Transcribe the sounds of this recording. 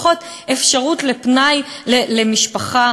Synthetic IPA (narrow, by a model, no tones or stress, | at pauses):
χot | efʃaʁutlepnajlelemiʃpaχa